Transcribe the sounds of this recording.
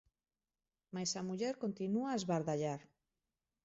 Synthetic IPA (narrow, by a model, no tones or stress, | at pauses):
majsamuʎeɾkont̪inuaezβaɾðaʎaɾ